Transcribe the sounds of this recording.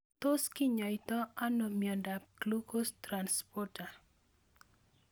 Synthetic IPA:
t̪oskiɲɔit̪ɔanɔmiandap̚klukʊst̪ɾanspɔrta

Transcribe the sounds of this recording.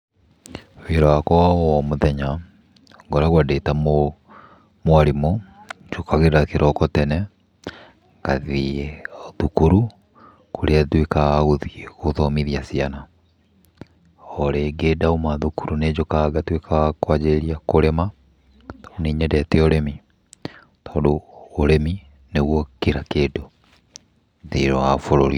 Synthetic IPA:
weɾɔakɔwaɔmoðɛɲa | ŋɡoɾaɣwadetamo | mwaɾimo | d͡ʒokʰaɣeɾakeɾʔɔkɔtɛnɛ | ŋɡaði | ðukuɾu | koɾeatwekaɣɣoðiɣoðɔmiðiasiana | ɔɾeɡedaumaðukuɾuned͡ʑokaɡatwekʰakwad͡ʑeeɾiakoɾɛma | tauneɲɛdɛtɛoɾemi | tɔːndoːɾemi | neɣwɔkeɾakeːdo | ðeɾɔafoɾoɾi

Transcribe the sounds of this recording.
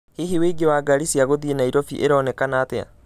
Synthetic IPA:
hiɦiweɡewaːɡaɾisiaɣoðienaiɾɔfiʔeɾɔːnɛkanaːtea̰

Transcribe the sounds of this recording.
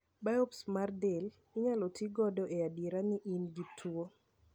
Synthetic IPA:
baɔpsmardɛl | ɪɲalɔtiɡɔdɔʔeadiɾanɪʔinɡitʰwo

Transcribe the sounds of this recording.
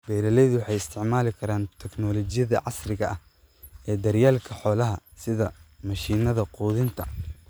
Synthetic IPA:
b̥ɛːɾɐlɛjðʊwɑħɑjɪst̪ʰɪʕmaːlɪkʰɐɾaːnt̪ʰɛɡnɔlɔt͡ʃɪjɐðɐ̰ʕɑsrɪɣɐʔɐh | ɛːd̪ɐɾjaːlkʰɐħɔːlɐɦɐsɪðɐmɐʃiːnɐðɐquːðɪnt̪ʰɐ

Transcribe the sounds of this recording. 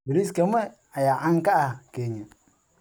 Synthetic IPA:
biɾis̬keme | ajaʔaŋkaakeɲe

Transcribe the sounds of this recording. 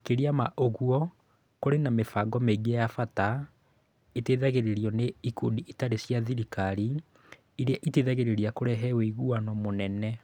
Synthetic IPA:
keɾiamaʔoɣuɔ | koɾenamefaɡɔmeɡiɛjafata | eteðaɣeɾeɾiɔneiko̰diʔitaɾesjaðiɾikaɾi | iɾeaʔiteːðaɣeɾeɾiakoɾɛɦɛweiɣuanɔmonɛnɛ

